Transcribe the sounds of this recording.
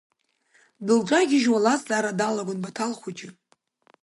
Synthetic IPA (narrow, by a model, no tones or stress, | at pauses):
dɨld͡ʒʷʼaɡʲɪʒwalazzaːɾadalaɡʷʊnbatʰalχʷut͡ʃʼɪ